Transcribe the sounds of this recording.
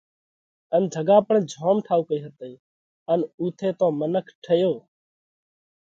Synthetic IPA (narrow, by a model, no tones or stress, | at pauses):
ənd͡ʒʱəɡãːpəɳd͡ʒʱɔːmʈʰaːukəiːɦət̪əiː | ənuːt̪ʰeːt̪ɔ̃ːmənəkʰʈʰəjoː